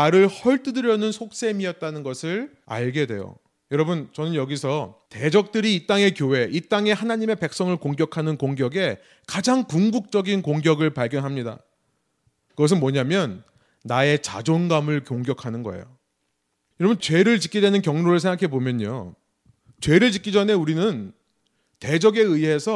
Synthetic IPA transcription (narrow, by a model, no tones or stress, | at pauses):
aɾɯɭhʌɭt͈ɯdɯɾjʌnɯnsʰok̚s͈e̞miʌt̚t͈anɯnɡʌsʰɯɭ | a̰ɭɡe̞dwe̞̰jo̰ | jʌɾʌbɯnt͡ɕʌnɯnjʌɡisʰʌte̞d͡ʑʌk̚t͈ɯɾiːt͈aŋe̞kjowe̞ʔit͈aŋe̞hanaɲime̞pe̞k̚s͈ʌŋɯɭkoŋɡjʌkʰanɯnkoŋɡjʌɡe̞ | kad͡ʑaŋkuŋɡuk̚t͡ɕ͈ʌɡinkoŋɡjʌɡɯɭpaɭɡjʌnɦamɲida̰ | kɯɡʌs̬ʰɯnmwʌɲamjʌnː | ae̞t͡ɕa̰d͡ʑonɡamɯɭkjoŋɡjʌkʰanɯnɡʌḛjo̰ | jʌɾʌbɯnt͡ɕwe̞ɾɯɭt͡ɕi̥k͈ʰidwenɯnkjʌŋnoɾɯɭsʰeŋɡakʰe̞bomjʌɲo̰ | t͡ɕwe̞ɾɯɭt͡ɕik͈ʰid͡ʑʌne̞uɾinɯn | te̞d͡ʑʌɡe̞ɯiɦe̞sʰʌ